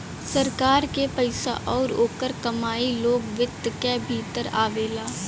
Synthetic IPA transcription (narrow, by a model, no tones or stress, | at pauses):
səɾkaːɾkepəɪsa̰ʔɔːɾoːkəɾkɐmaːiloːɡʋɪt̪ːkɛbʱiːt̪əɾaːʋeːlaː